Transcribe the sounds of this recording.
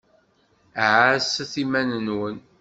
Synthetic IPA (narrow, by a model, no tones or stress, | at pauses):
ʕasæθimænənwən